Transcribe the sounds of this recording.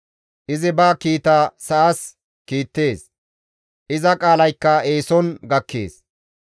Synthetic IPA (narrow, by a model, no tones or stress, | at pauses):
ʔɪzɪbaːkiːt̪aːsɐʔɐs | kiːt̪ːe̞ːs | ʔɪzɐkʼaːlɐjkːɐe̞ːsɔnɡɐkːḛːs